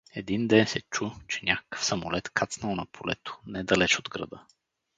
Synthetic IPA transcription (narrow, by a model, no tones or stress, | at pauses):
ɛd̪ind̪ɛnsɛt͡ʃut͡ʃɛnʲakə̥kə̥fsɐmolɛt̪kʰat̪snəlˠnɐpʰolɛ̰t̪o̥nɛd̪ɐlɛt͡ʃod̪ɡɾɐ̰d̪ə